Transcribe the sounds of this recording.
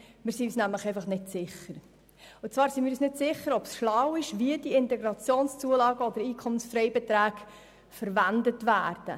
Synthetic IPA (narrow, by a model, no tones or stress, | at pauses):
mɪːɾsiyːsnæmləχɛɪfɑχnɪtsɪχəɾ | ʊt͡svɑːɾsimiːɾysnɪdsɪχəɾɔpsʃlɑwɪʃviəd̥iɪntɛɡɾɑt͡sjoːnst͡suəlɑːɡəɔd̥̪əɾiːkʰɔmənsfɾɛɪbɛtɾæːɡ | fəɾvændətvæːrd̥ə̰